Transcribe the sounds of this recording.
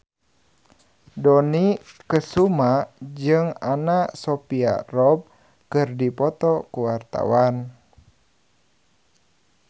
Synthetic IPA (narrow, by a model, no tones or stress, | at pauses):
dɔnikəsumad͡ʒɨŋanasɔpia̰rɔb̚ | kɨrdipɔt̪ɔkuwart̪a̰wan